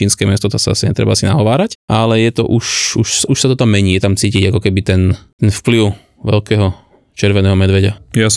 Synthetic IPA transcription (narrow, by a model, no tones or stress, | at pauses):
iːnskɛːmɪɛst̪ɔt̪ɔsaa̰siɲɛ̰t̪ɾɛ̰baasinaɦɔʋaːɾacʔalɛjɛt̪ɔ̰ʔuʃuʃsuʃsat̪ɔt̪amːɛɲiːjɛt̪amt͡siːciɟakɔkɛbit̪ɛnt̪ɛnfpliʊ | ʋɛ̰lkɛːɦɔ | t͡ʃɛɾʋɛnɛːɦɔmɛd̪ʋɛɟajas